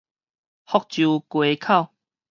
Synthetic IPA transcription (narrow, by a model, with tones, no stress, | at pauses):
hɔ˥˧k̚t͡ɕju˨˧kwe˨kʰa˥˨w